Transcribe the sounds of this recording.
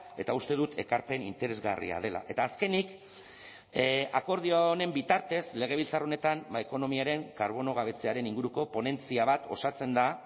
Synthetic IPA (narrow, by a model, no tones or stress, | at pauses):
e̞t̪aust̪e̞ðut̪ʰe̞kaɾpe̞nint̪e̞ɾe̞zɣa̰rḭa̰ð̞e̞la̰ʔe̞t̪aːske̞nik | ako̞ɾð̞ione̞mbit̪aɾt̪e̞szle̞ɣ̞e̞β̞ilt͡saro̞ne̞t̪ambaeko̞no̞miaɾe̞ŋkaɾβ̞o̞no̞ɣ̞aβ̞e̞t͡se̞aɾe̞niŋɡuɾuko̞po̞ne̞nt͡siaβ̞at̪o̞sat͡se̞nd̪a